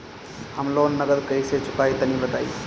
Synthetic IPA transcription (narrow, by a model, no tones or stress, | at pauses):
həmloːnːəɡəɾkəiset͡ʃʊkaːit̪ənibət̪aːḭ